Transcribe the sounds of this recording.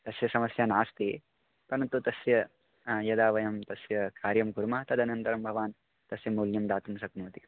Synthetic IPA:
t̪ɐsjɐsɐmɐsjaːnaːst̪i | t̪ɐnɐt̪ut̪ɐsjɐ | jɐd̪aːʋɐjɐmt̪ɐsjɐkaːɾjɐmɡuɾmaːt̪ɐd̪ʱɐnɐnt̪ɐɾɐmbʱɐʋaːn | t̪ɐsjɐmuːljɐmd̪aːt̪umsɐknuːt̪i̥

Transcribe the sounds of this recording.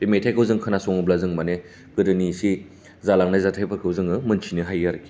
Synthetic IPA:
imetʰajkʰɯwzɯŋkʰɯnasɔŋɯblazɯŋmane | kɯdɯnisi | zalaŋnajzatʰajpʰaɾkʰɯwzɯŋɯmɯnt͡ʃʰinɯɦajaɾki̥

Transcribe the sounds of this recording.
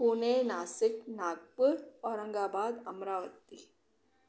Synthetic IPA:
uːnenaːsɪknaːɡ̚pʊɾɔːɾɐ̃ŋɡaːbaːd̪ɐmɾaːʋət̪ːi

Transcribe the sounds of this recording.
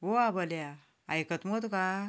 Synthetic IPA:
oabəlja | ajkət̪mot̪ka

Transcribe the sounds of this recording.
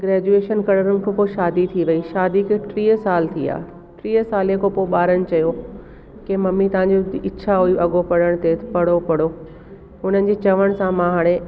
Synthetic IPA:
ɡɾɛːd͡ʑueːʃənkɐɽəɾənɪ̆kʰõpoːʃaːd̪it̪ʰiʋɐiʃaːd̪ikɪʈɾiːəsaːlt̪ʰia̰ː | ʈɾiːəsaːlekʰopoːɓaːɾəñɪ̆t͡ɕɐjo | kemɐmːit̪ɐʋ̤ãɲ̆d͡ʑoɪt͡ɕʰaɦuiʔɐɠopɐɽəɽ̃t̪eːt̪pɐɽopɐɽ̤o | ɦʊn̤ənɪ̆d͡ʑeːt͡ɕɐʋəɽ̃sãmãɦaːɽ̃e

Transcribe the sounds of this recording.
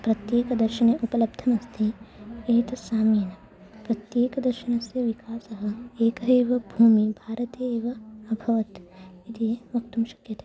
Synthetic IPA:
pɾɐt̪jeːkɐd̪ɐɾʃɐneʔupɐlɐb̚d̪ʱɐmɐst̪ʰieːt̪ɐsaːmiːnɐ | pɾɐt̪jeːkɐd̪ɐɾʃɐnɐsjɐʋikaːsɐɦɐ̆eːkɐɦeːʋɐbʱuːmibʱaːɾɐt̪eːʋɐɐbʱɐʋɐt̪it̪ieʋɐkt̪umʃɐ̥kjɐt̪ʰe̥

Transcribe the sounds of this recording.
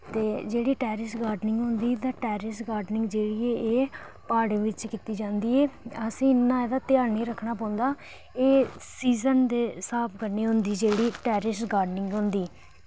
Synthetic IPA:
t̪eːd͡ʒeːɽiːʈɛːɾɪsɡaːɾɖnɪ̃ŋɡɦʊ̃nd̪iːt̪aːʈɛːɾɪsɡaːɾɖnɪ̃ŋɡd͡ʒeːɽiːeːeː | paːɽẽːʋɪt͡ʃkiːt̪iːd͡ʒãːnd̪iːɛːəsĩːɪnːãːeːd̪aːt̪ɪjaːɾniːɾəkʰːnaːp̬ãːnd̪aː | eːsiːzənd̪eːsaːpʰkəɾniːɦʊnd̪iːd͡ʒeːɽiːʈɛːɾɪsɡaːɖnɪŋɡɦʊ̃nd̪iː

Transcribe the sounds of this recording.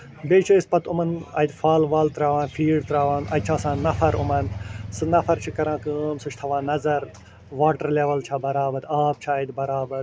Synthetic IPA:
beːt͡ʃʰuispɐt̪umɐnɐ̰jt̪ʲfaːlʋaːlt̪ɾaːʋãːnfʰiːɖt̪ɾaːʋaːnɐ̰j̚t͡ʃʰaːsãːnɐfʰɐɾʊmɐnsɨnɐfʰɐɾt͡ʃʰikɐɾãːkɨːmsut͡ʃʰt̪ʰɐʋãːnɐzɐɾ | ʋaːʈɐɾleːʋɐlt͡ʃʰaːbɐɾaːbɐd̪aːb̚t͡ʃʰaːɐjd̪bɐɾaːbɐɾ

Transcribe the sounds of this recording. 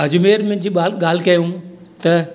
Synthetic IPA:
ɦɐd͡ʑʊmeːɾmɪ̃ːd͡ʑiːaːɠaːl̤ɪkɐjũ | t̪ɐ

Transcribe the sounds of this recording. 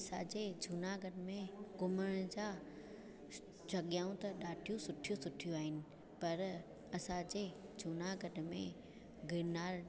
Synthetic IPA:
sad͡ʑeːd͡ʑʱunaɡəɖmẽɡʊməɽ̃d͡ʑaː | d͡ʑʱɐɠjaːũt̪ɐɗaːʈʰijũsʊʈʰijosʊʈʰijuaːɦɪnɪ̆ | pɐɾ | ɐsãd͡ʑeːd͡ʑʱunaɡʱəɖmḛ̃ | ɡɪnaːɾ

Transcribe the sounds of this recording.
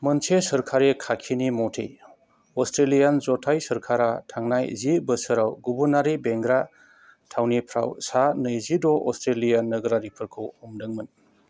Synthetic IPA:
mənt͡ʃʰesəɾkʰaɾekʰakʰinimɔtʰḛj | ɔstɾelijanzɔtʰajsɐɾkʰaɾatʰaŋnajzibəsɯɾawɡubuɾnaɾibeŋɡɾa | tʰawnipʰɾa̰wsanɯjzidɔʔɔstɾelijanːɯɡɾaɾipʰɯɾkʰɯwɔmdɯŋmɯn

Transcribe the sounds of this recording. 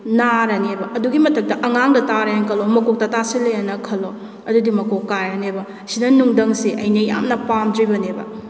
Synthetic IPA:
naɾɐnebɐʔɐduɡimɐtɐk̚dɐʔɐŋaŋdɐtaɾɐjaŋkʰɐlomɐkok̚tɐtasilɐjanɐkʰɐlo | ɐdudimɐkokːaɾɐnebɐ | sinɐnuŋdɐŋsiʔɐjnɐja̰mnɐpamdɾibɐnebɐ̰

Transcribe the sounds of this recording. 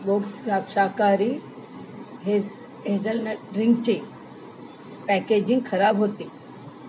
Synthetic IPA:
ʋoksakʂakaɾiː | ɦe | ɦed͡zəlnɾiŋɡt͡ɕi | pæked͡ʑĩŋɡkʰəɾabɦot̪iː

